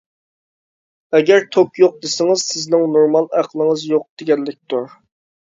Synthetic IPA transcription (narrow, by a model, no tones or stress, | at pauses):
ɛɡʲɛɾt̪ʰokjoq̚d̪ɪsɪŋɨzsɪznɪŋnoɾmɑlˠæqlˠəŋəzjoq̚d̪̥ɪɡʲɛnlːɪk̚ʲt̪uɾ